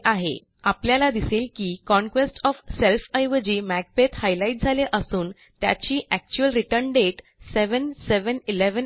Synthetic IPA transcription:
ʔaɦḛ | apljalad̪iselkiːkɔ̃nkʋesʈɔfselfəjʋəd͡ʑiːmæɡ̚pet̪hajlaiʈ̚d͡zʱaleʔəsuːn | t̪ja̰t͡ɕiːʔæk̚t͡ɕuəlɾiʈəɾnɖeʈ | seʋənseʋənileʋən

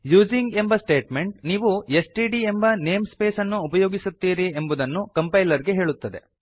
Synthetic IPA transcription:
juːd͡ʒiŋɡe̞mbɐsʈe̞ːʈme̞ɳʈ̚niːʋue̞sʈiːɖie̞mbɐneːmspe̞ːsɐnːuːpɐjo̞ːɡisut̪ːiːɾiembud̪ɐnːukɐmpɐjlɐɾɡe̞ɦe̞ːɭut̪ːɐd̪e̞̰

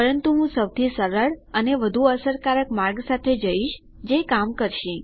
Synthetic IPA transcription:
pəɾənt̪uɦũsəwt̪ʰisəɾəɭəneʋəd̪ʱuəsəɾkaɾəkmaɾɡsat̪ʰed͡ʒəiʃ | d͡ʒekamkəɾʃĩ

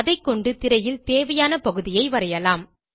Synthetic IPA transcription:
ɐðɐɪkːɔɳɖɯt̪ɪɾɐjɪlt̪eːʋɐjaːnɐpɐɣɯðɪjɐɪʋɐɾɐjɐlaːm

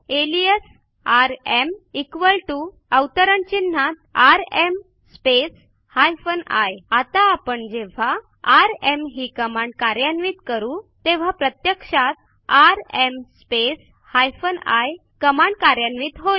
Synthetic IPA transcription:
elies | aɾemikʋəlʈu | əwt̪əɾəɳt͡ɕin̤ːat̪̚aɾem | spes | hajfəna̰jat̪aːpəɳd͡ʑeʋ̤aː | ɾemɦiːkəmãɳɖ̚kaɾjanʋiːt̪kəɾut̪eʋ̤apɾət̪jəkʂat̪̚ | aɾemspes | hajfənaj | kəmaɳɖ̚kaɾjanʋiːt̪ɦo

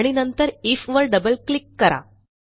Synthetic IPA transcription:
ɽ̃inənt̪əɾifʋəɾɖəbəlklikːəɾa̰

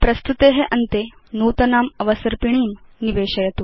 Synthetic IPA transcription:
pɾɐst̪ut̪eɦeʔɐnt̪enuːt̪ɐnaːmɐʋɐsɐɾpiɳ̃iːnniʋeːɕɐjɐt̪uː

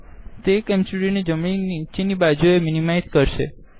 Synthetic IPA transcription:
t̪ekɛmsuɾined͡ʒəmɭinit͡ʃinibad͡ʒoeminimajzkəɾʃe

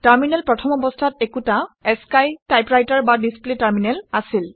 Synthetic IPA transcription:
taɹminɛlpɹɔtʰɔmɔbɔstʰatɛkutaɛskajtajpɹajtaɹbadispletaɹminɛlasil

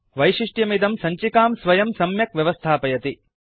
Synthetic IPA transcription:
ʋɐjʃiʂʈjɐmid̪ɐmsɐɲt͡ʃikaːmsʋɐjɐmsɐmjɐkʋjɐʋɐst̪ʰaːpɐjɐt̪i

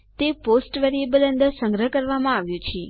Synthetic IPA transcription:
t̪eposʈʋɛɾiebələnd̪əɾsə̃ŋɡɾəɦəkəɾʋamãaʋjũt͡ʃʰe

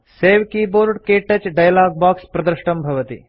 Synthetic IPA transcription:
seːʋkiːboːɾɖkeːʈːɐt͡ʃɖɐjlaːɡ̚baːkspɾɐd̪ɾʃʈɐmbʱɐʋɐt̪ḭ

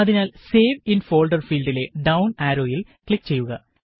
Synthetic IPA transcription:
ɐðinaːlse̞ːʋinfo̞ːɭɖɐrfiːlɖile̞ɖɐwnaːɾo̞ːjil | kɭikːt͡ɕe̞jːuɣɐ

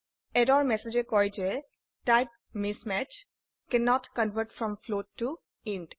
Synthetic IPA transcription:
ɛdɔɾmɛsed͡ʒekɔjd͡ʒe | ʈaɪp̚ | mɪsmæt͡ʃ | kɛnɔʈkə̃nʋəɾʈfɾɔ̃mfloːʈːu | ɪ̃nʈ

